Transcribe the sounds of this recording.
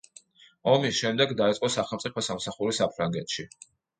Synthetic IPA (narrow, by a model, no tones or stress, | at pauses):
ɔmisʃɛmd̪ɛɡd̪ait̪sʼqʼɔsaχɛlˠt̪sʼipʰɔsamsaχuɾisapʰɾaŋɡɛt̪ʃi